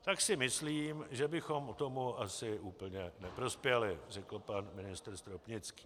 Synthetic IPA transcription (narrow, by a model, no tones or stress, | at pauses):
t̪aksɪmɪsliːmʒɛbɪxo̞mt̪o̞muʔasɪʔuːpl̩ɲɛnɛpɾo̞spjɛlɪrɛkl̩panmɪnɪst̪r̩st̪ɾopɲɪt͡ski̥ː